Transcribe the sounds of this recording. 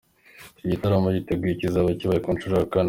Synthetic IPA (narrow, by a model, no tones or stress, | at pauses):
iɟitaɾamoɟiteɡicizaβaciβaikunt͡ʃuɾakan